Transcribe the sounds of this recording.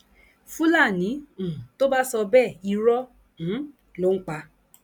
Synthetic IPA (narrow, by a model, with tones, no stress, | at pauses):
fũ˦la˦˨nĩ˨˦˨to˦ba˦sɔ˧bɛ˦˨i˧ɾɔ˦ | ñ̩˨˦ | lo˦ŋ̩˦k͡pa˧